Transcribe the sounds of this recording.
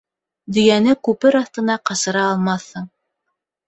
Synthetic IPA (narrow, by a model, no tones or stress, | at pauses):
d̪ĭjænɘkʉpɘɾɑθt̪ɤ̆nɑqɑsɤ̆ɾɑːlˠmɑθhɤɴ